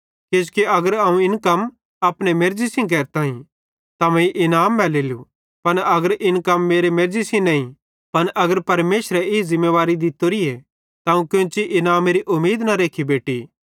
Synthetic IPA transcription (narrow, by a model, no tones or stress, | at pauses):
kɪskiɐɡəɾɐũɪnkɐm | aːpnemeɾd͡ʒisĩk̬ɛːɾt̪aːĩ | t̪ɐmɛ̃iʔɪnaːmːɛleːlu | pɐnɐɡəɾʔɪnkɐmːeːɾemeɾd͡ʒisĩnɐĩ | pɐnʔɐɡəɾpɐɾmeːʃɾɛɪzɪ̃mːeʋaːɾid̪ɪt̪ːoɾiɛ | t̪aɐũkɪ̃t͡ʃiʔɪnaːmeɾiʔʊmːiːd̪nɐɾeːkʰibeːʈi